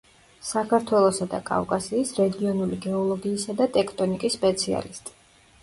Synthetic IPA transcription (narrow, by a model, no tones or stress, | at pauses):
sakʰaɾt̪ʰwɛlˠɔsad̪a̰kʼa̰vkʼasiːsɾɛɡiɔnuliɡɛɔlˠɔɡiːsad̪at̪ʼɛkʰt̪ʼɔnikʼisːpʼɛt̪sʰia̰list̪ʼi̥